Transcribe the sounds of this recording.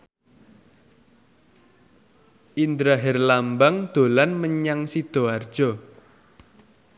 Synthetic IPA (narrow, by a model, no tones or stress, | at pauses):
ʔind̪ɾaɦɛrlambaŋd̪̥o̤lanməɲaŋsid̪̥o̤ard̥ʒ̥ɔ